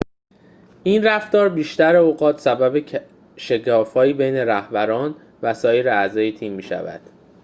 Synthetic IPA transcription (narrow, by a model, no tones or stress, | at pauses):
ʔinræft̪ɒːɾbiːʃt̪æɾeoɣɒːt̪ʰsæbæbe | ʃe̞kʰɒːfɒːjiːbejne̞ɾæhbæɾɒːn | væsɒːjeɾeæzɒːjet̪ʰiːmːiːʃæ̰væ̰d̪̥